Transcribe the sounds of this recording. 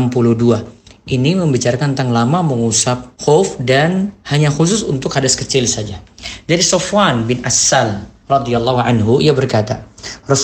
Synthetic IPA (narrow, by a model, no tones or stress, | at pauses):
mpuluhduaʔiniməmbit͡ʃaɾakant̪aŋlamaməŋusap̚xofdanhaɲaxus̬ʊsunt̪ʊkhadaskət͡ʃɪlsad͡ʒad͡ʒadisofwanbɪnʔasːal | rɑd̪ialːɑhuʕanɦuiabərkat̪arɔs